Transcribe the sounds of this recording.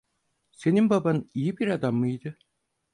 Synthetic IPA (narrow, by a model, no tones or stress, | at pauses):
se̞nimbabanijibiɾad̪amːɯjd̪ɯ